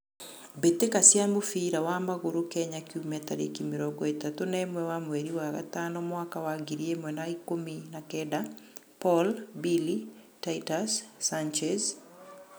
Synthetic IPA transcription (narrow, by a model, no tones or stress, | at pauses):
bet̪ekasjambofiɾawamaɣoɾokɛɲakiumɛt̪aɾḛkimiɾɔɡɔet̪atonɛmwɛwamweɾiwaɣa̰tanɔmwakawaɡiɾiemwɛnaikominakɛda | pɔlbili | taitasːant͡ʃɛz